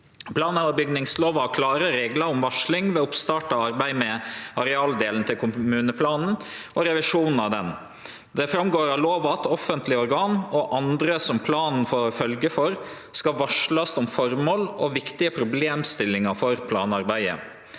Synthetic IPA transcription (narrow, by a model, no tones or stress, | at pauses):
pʰlɑːnəɔbʏɡnɪŋsloːʋɑɑkʰlɑːɾəɾeːɡlɑʊmʋɑʂɭɪŋʋɛʊpst̪ɑːʈɑɑɾbæɪmɛɑɾɛɑːld̪eːln̩t̪ʰɪlkʰʊmmʉːnəpʰlɑːnn̩ | ʔɔɾɛʋɪʂuːnn̩ɑʋd̪ɛn | d̪ɛfɾɑmɡoːɾɑloːʋɑt̪ɔfənt̪lɪɔɾɡɑːnɔʔɑnd̪ɾəsɔmpʰlɑːnn̩fɔːfœlɡəfɔɾ | skɑʋɑʂɭɑsɔmfɔɾmoːlɔʋɪkt̪ɪəpʰɾʊbleːmst̪ɪlːɪŋɑfɔɾpʰlɑ̰ːnɑɾbæɪə̰